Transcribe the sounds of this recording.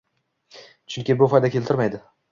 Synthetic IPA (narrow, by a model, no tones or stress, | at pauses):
t͡ʃʰʊŋkʲɪbʊfɒjd̪akʲʰelt̪ʰɪɾmajd̪ɪ